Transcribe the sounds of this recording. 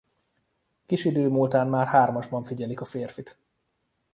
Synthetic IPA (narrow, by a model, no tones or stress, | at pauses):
kiʃid̪øːmult̪aːnmaːrhaːrmɒʒbɒɱfiɟɛlikɒfeːrfit̪